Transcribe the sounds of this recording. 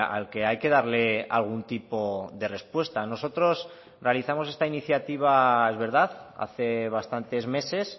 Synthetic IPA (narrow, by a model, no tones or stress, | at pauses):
a̰lke̞ajke̞ðaɾle̞alɣ̞unt̪ipo̞ðe̞re̞spwe̞st̪ano̞so̞t̪ɾo̞s | re̞aliθamose̞st̪ainiθjat̪iβ̞ae̞zβe̞ɾðaða̰θe̞β̞ast̪ant̪e̞zme̞se̞s